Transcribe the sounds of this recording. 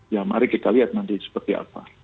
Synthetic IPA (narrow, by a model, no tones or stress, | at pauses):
jama̰ɾikit̪aliɦat̪̚nand̪isə̥pərt̪ia̰pa